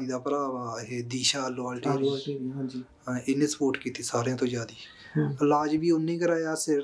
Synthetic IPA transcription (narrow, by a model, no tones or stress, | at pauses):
niːd̪aːpəɾaːʋaːɦeːd̪iːʃaːloːaːlʈiːdː | ɪnẽːsə̥poːɾʈkiːt̪iːsaːɾeãːt̪õːd͡ʒaːd̪iː | əlaːd͡ʒʋiːʊnẽːɡəɾaːjaːsɪɾ